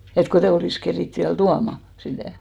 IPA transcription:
et kotei oliˑs keriˑt ʋiæl tuɑmɑ sitæˑ

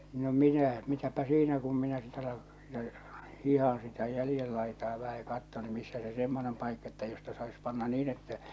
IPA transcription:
no minæ mitæpæ siːnæ kum minæ sit ɑlɑ jɑ hihɑ̃ː sitæ jælĭjel lɑitɑː ʋæhæ jɑ kɑtːon ny misːæ se semːonem pɑikːɑ etːæ jostɑ sɑis pɑnːɑ niːn etːæ

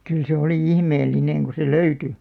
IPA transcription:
kyl se oli ihmeːlːineŋ ku se løyty

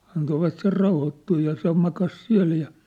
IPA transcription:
ɑntoʋɑt ser rɑuhotːuː jɑ se mɑkɑs siæ̝l jɑ

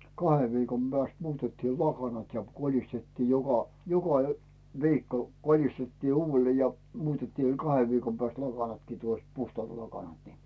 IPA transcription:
kɑheʋ ʋiːkom b̥æːst muːtetːiː lɑkɑnɑt jɑ kolistetːiː jokɑ jokɑ ø ʋiːkːo kolistetːiː uːʋːelːeː jɑ muːtetːiː kɑheʋ ʋiːkom pæːst lɑkɑnɑtkiː tuost puhtŏɑˑt lɑkɑnɑt ni

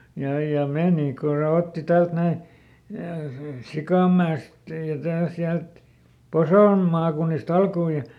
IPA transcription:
jɑ jɑ meˑni kun̞ se otːi tælt næi sikɑˑmːæest jɑ tæː siælt posoˑm mɑːkunːist ɑlkuː jɑ

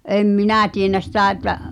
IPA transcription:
em minæˑ tienæ sitæˑ etːæ

